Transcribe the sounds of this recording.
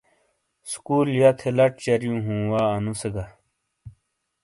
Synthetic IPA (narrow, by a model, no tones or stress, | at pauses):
skuːljat̪ʰelɐʈt͡ɕɐɾjũːɦũːwaːnuseɡɐ